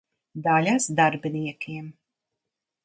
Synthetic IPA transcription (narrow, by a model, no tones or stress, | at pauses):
d̪alʲasd̪aɾbʲiniɛkʰiɛm